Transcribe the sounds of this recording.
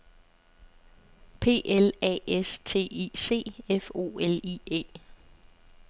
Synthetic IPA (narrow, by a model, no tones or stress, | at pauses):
pʰe̝̰ːʔelɛ̰ːest͡sʰe̝̰ːiːse̝̰ːefo̝̰ːeliḛː